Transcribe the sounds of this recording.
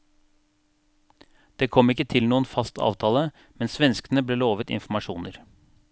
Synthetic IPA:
d̪̥eːkʰɔmɪkːət̪ʰɪlnuːənfɑst̪ʰɑ̰ːʋt̪ʰɑːlə | mɛnsʋɛnskən̩əbleːloːʋət̪ɪ̰nfm̩ɑʃṵːnəɾ

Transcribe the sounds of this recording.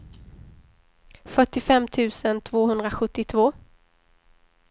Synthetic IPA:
fœʈːɪfɛmːt̪ʰʉ̟ːsənt̪ʰvoːhɵnd̪ɾaɧɵt̪ːɪt̪ʰvoː

